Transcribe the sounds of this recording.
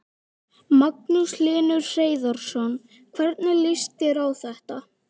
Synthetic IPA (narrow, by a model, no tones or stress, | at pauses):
mak̚nʏslɪːnʏɾr̥eːjðɔɾ̥sɔn | kʰvɛɾt̪nalɪst̪ɛɾawθɛht̪a